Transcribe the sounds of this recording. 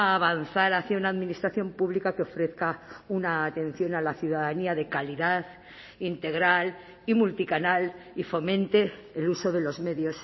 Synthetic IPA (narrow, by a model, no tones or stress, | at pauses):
βanθaɾaθjaunaːðminist̪ɾaθjo̞mpuβlikakeo̞fɾe̞θkaunaːt̪ẽ̞n̟θjo̞nalaθjuðaðaniaðe̞kaliðað | int̪e̞ɣ̞ɾal | imult̪ikanalifo̞mẽ̞nt̪e̞ːluso̞ðe̞lo̞zme̞ðjo̞s